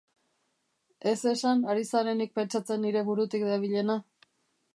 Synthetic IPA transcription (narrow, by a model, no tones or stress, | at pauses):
e̞se̞sanaɾisaɾe̞nik̚pe̞nt͡ʃat͡se̞nːiɾe̞βuɾut̪ikd̪aβ̞iʎe̞na